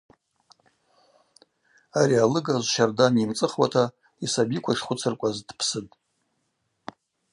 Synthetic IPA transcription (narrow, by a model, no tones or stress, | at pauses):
aɾialɨɡazʷʃardanimt͡sʼɨχwatʰa | isabikʷʰaʂχʷʊt͡sʰɨrkʷʼazdpʰsɨtʼ